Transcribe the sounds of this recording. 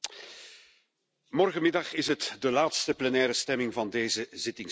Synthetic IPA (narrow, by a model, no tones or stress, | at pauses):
mɔrɣənmɪdɑχɪsɦətdəlaːtstəplɛnɛːɾəstɛmɪŋvɑndeːzəzɪtɪŋ